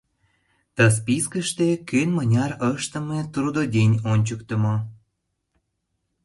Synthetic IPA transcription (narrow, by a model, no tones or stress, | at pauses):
t̪əs̬piskəʃt̪ekønmənʲɑrəʃt̪ə̆met̪rud̪odʲenʲonʲt͡ɕəkt̪əmo